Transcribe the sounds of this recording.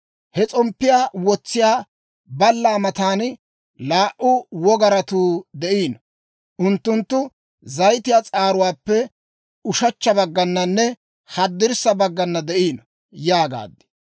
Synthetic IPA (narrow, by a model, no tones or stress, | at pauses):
hɛt͡sʼɔmpːɪjaːwɔt͡sːɪjaː | bɐlːaːmɐt̪aːn | laːʔʊwɔɡɐɾɐt̪uːd̪ɛʔiːn | ʔʊnt̪ːʊnt̪ːʊ | zɐjt̪ɪjaːt͡sʼaːɾʊwaːpːɛ | ʊʃɐt͡ʃːɐbɐɡːɐnːɐnːɛ | hɐd̪ːɪɾsɐbɐɡːɐnːɐd̪ɛʔiːn | jaːɡa̰ːd̪ːɪ̥